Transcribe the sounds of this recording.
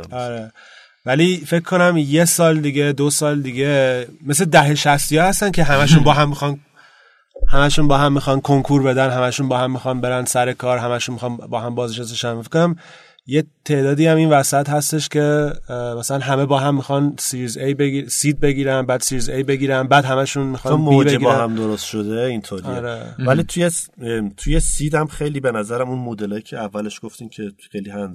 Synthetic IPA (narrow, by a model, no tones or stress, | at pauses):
ɒɾe | vælife̞kʰkʰːo̞næmje̞sɒːld̪iɡed̪osɒːld̪iɡe̞me̞sled̪æɦe̞ʃæst̪ijɒhæst̪æncʰe̞ɦæmæʃunbɒːɦæmːixɒn | hæmæʃunbɒːhæmːixɒːnkʰoŋkʰuɾbe̞d̪ænɦæmæʃunbɒːhæmːixɒːnbe̞ɾænd̪sæɾe̞kʰɒːɾɦæmæʃunmixɒːnbɒːhæmbɒːzneʃæseʃænfe̥kːoæm | jet̪ʰe̞ːd̪ɒːd̪iːhæminvæsæt̪hæst̪e̞ʃcʰe̞mæsælænɦæme̞bɒːɦæmːixɒnsiɾizejbeisiːd̪̚be̞ɡiːɾænbæːd̪siɾizejbe̞ɡiːɾænbæːd̪hæmæʃunmixɒnomobd͡ʒeeibɒːhæmd̪oɾost̪ʃod̪eint̪ʰoɾieɾḛvælit̪ʰujest̪ʰujesiːd̪æmxejliːbenæzæɾæmunmod̪elɒːjicʰeævːæleʃɡ̥oft̪imcʰexejlihæ